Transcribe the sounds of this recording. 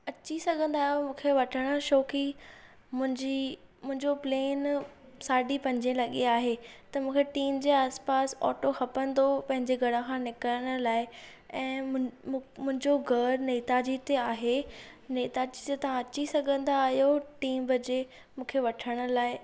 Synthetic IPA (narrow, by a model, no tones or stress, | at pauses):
ɐt͡ɕisɐɡʱə̃nd̪aːɦijomũːkʰeʋɐʈʰəɽ̃əʃoːki | mʊ̃ɦɪ̃ɲd͡ʑimʊ̃ɦɪ̃ɲd͡ʑopleːnsaːɖipɐ̃d͡ʑẽlɐɠiaːɦet̪ɐmũːkʰeʈiːmd͡ʑeːaːspaːsɔ̰ːʈoxɐpə̃nd̪opɐ̃ɦɪ̃ɲd͡ʑeɡʱɐɽə̃kʰãːnɪkəɾəɽ̃ʊlaːɪ | ɛ̃ː | mʊ̃ɦɪ̃ɲd͡ʑoɡʱɐɾneːt̪ad͡ʑit̪eaːɦe | neːt̪ad͡ʑit̪et̪ɐʋãɐt͡ɕisɐɡʱə̃nd̪aːɦijoʈiːmbɐd͡ʑe | mũːkʰeʋɐʈʰəɽ̃ə̆laːɪ